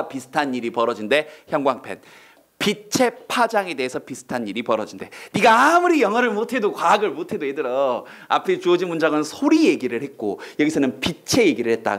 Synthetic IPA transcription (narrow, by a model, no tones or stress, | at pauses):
pisʰɯ̥tʰanːiɾipʌɾʌd͡ʑinde̞çjʌŋɡwaŋpʰe̞̰n | pit͡ɕʰe̞pʰad͡ʑaŋe̞de̞ːsʰʌpisʰɯ̥tʰanːiɾipʌɾʌd͡ʑinde̞niɡaːmuɾijʌŋɦʌɾɯɭmotʰe̞dokwaɡɯɭmotʰe̞doedɯɾʌa̰pʰet͡ɕod͡ʑimund͡ʑaɡɯnsʰoɾije̞ɡiɾɯɭhet̚k͈ojʌɡisʰʌnɯnpit͡ɕʰe̞je̞ɡiɾɯɭhe̞t̚t͈a̰